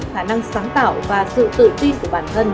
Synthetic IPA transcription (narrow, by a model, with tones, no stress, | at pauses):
xaː˧˩na˧ŋsaː˨˦ŋt̪a̰ː˧˨wvaː˨˩sɨ̰˧˨t̪ɨ̰˧˨t̪i˧nku˧˩əɓaː˧˩nt̪ʰə˧n